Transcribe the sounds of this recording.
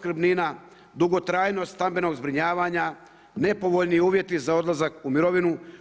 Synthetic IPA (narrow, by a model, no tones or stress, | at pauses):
kɾ̩bnina | d̪uɡo̞t̪ɾaːjno̞st̪ambe̞no̞ɡzbɾiɲaːʋaːɲa | ne̞po̞ʋo̞ʎniuːʋje̞t̪izao̞d̪lˠazakumiɾo̞ʋinu